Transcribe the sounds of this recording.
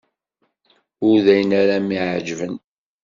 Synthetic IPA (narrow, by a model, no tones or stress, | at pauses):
ʊɾðæjənæɾæmiʕd͡ʒvən